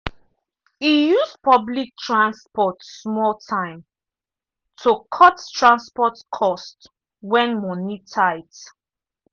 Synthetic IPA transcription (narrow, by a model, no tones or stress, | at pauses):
ijuspʰʌblik̚tʰɹãnspɔtsmɔltʰãɪ̃m | tʰokʰɔttʰɹãnspɔtkʰɔst | wɛ̃nmɔnitʰaɪt